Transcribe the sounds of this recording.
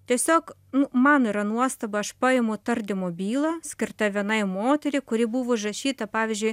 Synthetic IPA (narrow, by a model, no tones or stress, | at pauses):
t̪ʲiɛsʲoːk | nʊmɑːniːɾɐnuɔst̪ɐbɐɐʃpɐɪmʊt̪ɐrʲd̪ʲɪmobʲiːlˠɐsʲkʲɪrt̪ɐʋʲiɛnɐɪmoːt̪ʲɛɾʲɪkʊɾʲɪbuʋoʒɐʃʲiːt̪ɐpɑːʋʲɪzʲd͡ʒʲʊɪj